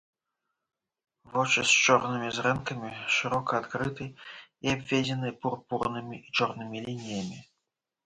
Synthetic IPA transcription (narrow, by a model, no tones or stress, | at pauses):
vɔt͡ʂɨst͡ʂɔrnɨmʲizɾɛnkɐmʲiʂɨɾɔkɐːt̪kɾɨt̪ɨiabʲvʲed͡zʲɛnɨpurpurnɨmʲiʔit͡ʂɔrnɨmʲilʲinʲijɐmʲi